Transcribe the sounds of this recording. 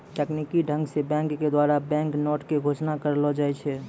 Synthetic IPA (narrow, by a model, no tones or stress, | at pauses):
ʈɛknikiɖʱə̃ŋɡsebɛ̃ŋkːed̪waɾabɛ̃ːŋknɔːʈkeɡʱot͡ʃnakəɾlɔd͡ʒaːɛt͡ʃʰɛ